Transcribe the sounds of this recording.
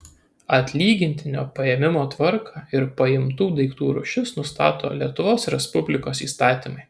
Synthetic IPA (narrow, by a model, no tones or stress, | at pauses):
ɐt̪ʲlʲiːɡʲɪnʲt̪ʲɪnʲo̰ːpɐjɛmʲɪmoːt̪ʋɐɾkʰɑːɪɾpɐɪmt̪uːd̪ɐɪkt̪uːɾʊ̰ʃʲɪsnʊst̪ɑːt̪o̰ːlʲiɛt̪ʊʋoːsɾʲɛspʊbʲlʲɪkoːsḭːst̪ɑːt̪ʲimɐɪ